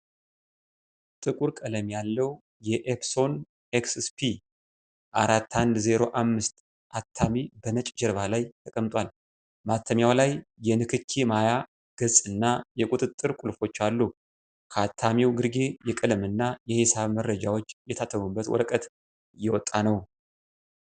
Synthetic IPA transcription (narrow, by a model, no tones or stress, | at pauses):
t̪ʼɨkʼuɾkʼələmjalːəw | jɛʔefso̞n | eksspʰi | ʔaɾat̪ːand̪ze̞ɾo̞ʔamːɨst̪ | ʔat̪ʰːamibənət͡ʃʼd͡ʒɛɾβalajt̪ʰəkʼəmt̪ʼwal | mat̪ʰːəmjawlajːɛnɨkʰɨkʰːimaja | ɡ̥ɨzʼɨnːajɛkʼut̪ʼɨt̪ʼːɨɾkʼulfo̞t͡ʃːalːu | kʰat̪ʰːamiwɡɨɾɡe̞jɛkʼɨləmɨnːajɛhesaβməɾːəd͡ʒawot͡ʃːjɛt̪ʰat̪ʰəmubːət̪wɔ̰ɾəkʼət̪ | jɛwɔt̪ʼːanəw